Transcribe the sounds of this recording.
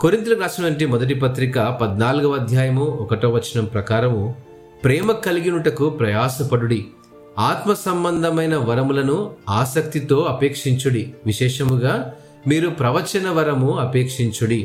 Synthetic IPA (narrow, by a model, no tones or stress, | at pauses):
koɾint̪̬ulɐɾaːsɐnɐɳʈ̬imɔd̪ɐʈ̬ipɐt̪ɾikɐpɐd̪naːluɡɐʋɐd̪ʱjaːjɐmuɔkɐʈoːʋɐt͡ʃːɐnɐmpɾɐkaːɾɐmu | pɾɛːmɐkɐliɡinuʈɐkupɾɐjaːsɐpɐɽuɽi | aːt̪mɐsɐmbɐnd̪ʱɐmɐjnɐʋɐɾɐmulɐnuaːsɐk̚t̪it̪o̞ːɐpeːkʂiɲt͡ʃuɽiʋiʃɛːʂɐmuɡaː | miːɾupɾɐʋɐt͡ʃɐnɐʋɐɾɐmuɐpeːkʂiɲt͡ʃuɽi